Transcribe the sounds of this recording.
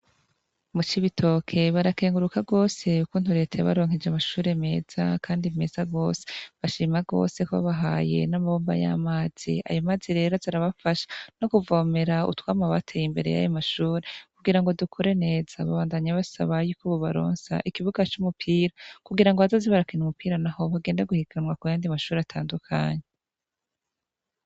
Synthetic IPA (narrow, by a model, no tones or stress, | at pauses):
mut͡ʃiβitʰo̞ːkʰe̞βaɾake̞ːŋɡuɾukaɡo̞ːse̞ukuːn̥huɾe̞ːtʰajaβa̰ɾo̞ːŋhed͡ʒamaʃuːɾe̞me̞ːz̥akʰaːndime̞ːzaɡo̞ːse̥βaʃiːmaɡo̞̰ːse̞koβa̰βaɦa̰ːje̞̰namaβoːmba̰ja̰maːz̥ḭa̰jomaːziɾe̞ːɾoziɾaβafaʃḁno̞kuvo̞ːme̞ɾaṵtwaːmaβatʰejimbe̞ɾe̞̰ja̰jomaʃuːɾe̞kuɡiɾaŋɡo̞dukʰoɾe̞ne̞ːz̥aβaβaːndaɲaβasa̰βajuːkuβoβaɾo̞̰ːnsa̰ʔikiβuɡat͡ʃumupʰiːɾakuɡiɾaŋɡoazoziβaɾakinumupiːɾanaho̞βaɡe̞ːndaɡuhikʰanwakujaːndimaʃuːɾeatʰaːndukʰa̰ɲe